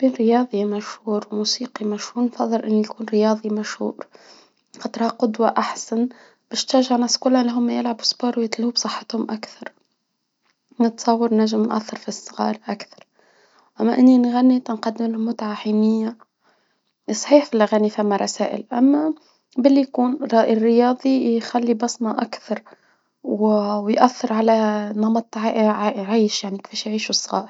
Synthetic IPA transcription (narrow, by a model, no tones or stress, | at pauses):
b̥eːnɾjɑːðˤimæʃhuːɾwmuːsiːqimæʃhuːɾnfɑðˤːɨlʔɪnːijkuːnɾjɑːðˤimæʃhṵːɾ | xɑt̪ˤɾˤhaqʊd̪waʔaħsan | b̥æːʃt̪æʒaʕnɑsˤːkʊlːaʔnliɦʊmːajɪlʕabusˤboːɾwjɪt̪lhubsˤɨħːɑt̪hʊmʔakθɑɾˤ | nət̪sˤɑwːɑɾˤnæʒːɪmnʔa̰θːɑɾˤfisˤːɣɑ̰ːɾˤʔakθɑ̥ɾˤ | ʔamːaʔɪnːinɣanːit̪nqɑd̪ːɪmlʊmʊt̪ʕaħiːnɪjːa | sˤħiːħfilʔaɣanːifamːaɾˤɑsaːʔɪ̰lʔamːa | bɪlːijkuːnɾʔrːɪjɑːd̪ˤijxalːibɑsˤnɑʔakθɑɾˤ | wwjʔaθːɪɾˤʕalanɑmɑt̪ˤʕʕʕaːʃjaʕnikfiːʃjʕiːʃusˤːɣɑ̰ːɾ